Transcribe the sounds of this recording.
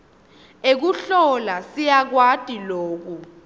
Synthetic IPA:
ek̬uɬɔlasijak̬watʼiloːk̬u

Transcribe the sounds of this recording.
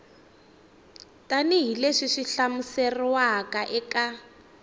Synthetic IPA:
tʼaniɦileʂiʂiɬamuseriwakaʔɛka

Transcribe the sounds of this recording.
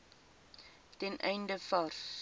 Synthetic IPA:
tɛnʔɛjndəfɐrs

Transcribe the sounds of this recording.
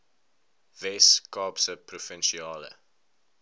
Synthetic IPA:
vɛskɑːpsəprufɛnʃiɑːlə̰

